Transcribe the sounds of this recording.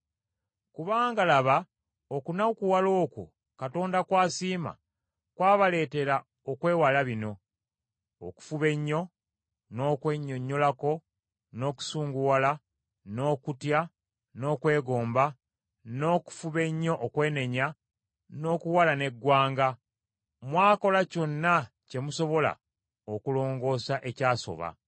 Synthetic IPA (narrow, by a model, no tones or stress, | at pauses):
kuβaːŋɡalaβa | okunakuwalo̞ːkṵ | kato̞ːndakwaːsiːma̰ | kwaːβale̞ːte̞ɾa | o̞kwe̞ːwalaβino̞ | o̰ku̥fuβe̞ɲːo̞ | no̞ːkwe̞ɲːo̞ɲːo̞lako̞ | no̞ːku̥suːŋɡuwala | no̞ːkutja | no̞ːkwe̞ːɡo̞ːmba | no̞ːku̥fuβe̞ɲːo̞ʔokwe̞ːne̞ɲa | no̞ːkuwalane̞ɡːwaːŋɡa | mwaːko̞laco̞nːa | ce̞muso̞βo̞la̰ | okulo̞ːŋɡo̞ːsaʔe̞caːso̞̰βa̰